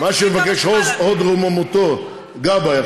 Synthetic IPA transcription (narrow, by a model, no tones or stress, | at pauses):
maʃemevakeʃozod̪ʁomamot̪o | ɡabaja